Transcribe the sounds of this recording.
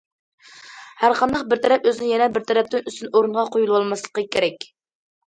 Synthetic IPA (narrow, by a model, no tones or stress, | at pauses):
hæɾqʰɑnd̪ɑqbɪɾt̪ʰɛɾɛpøzɪnɪjɛnɛbɪɾt̪ʰɛɾɛp̚t̪ɪnyst̪ynoɾuɴʁɑqʰojulˠwɑlˠmɑslˠə̥qəkʲʰeɾɛkʲ